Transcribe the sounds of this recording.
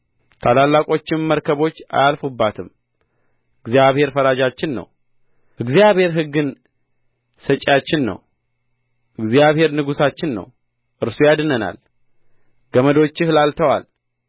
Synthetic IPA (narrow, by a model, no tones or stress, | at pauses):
t̪ʰalalːakʼo̞t͡ʃːɪmːəɾkʰəβo̞t͡ʃːa̰jalfubːat̪ʰɨm | ɨɡzijaβhe̞ɾfəɾad͡ʒat͡ʃːɪnːə̰w | ʔɨɡzijaβhe̞ɾɦɨɡːɨn | sət͡ʃʼːat͡ʃːɪnːə̰w | ʔɨɡzijaβhe̞ɾnɨɡusat͡ʃːɪnːə̰w | ʔɨɾsujad̪ɨnəna̰l | ɡ̥əməd̪o̞t͡ʃːɪhlalt̪ʰəwa̰l